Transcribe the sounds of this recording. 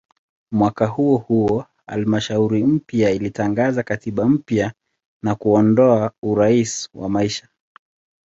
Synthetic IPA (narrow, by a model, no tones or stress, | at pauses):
mwakahuɔhuɔ | ha̰lmaʃauɾim̩pjailitaŋɡazakatiɓam̩pja | nakuɔndɔauɾaiswa̰maiʃḁ